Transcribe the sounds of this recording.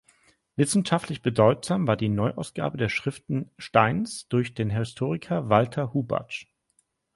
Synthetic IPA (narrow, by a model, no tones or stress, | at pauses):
vɪsn̩ʃaftʰlɪçb̥ədɔʏtz̥aːmvaːɐdiːnɔʏʔaʊsɡ̥a̰ːbədeːɐʃʁ̥ɪftn̩ʃtaɪnsd̥ʊɐçd̥eːnɦɪstʰoːʁɪkʰɐvaltʰɐhuːba̰t͡ʃ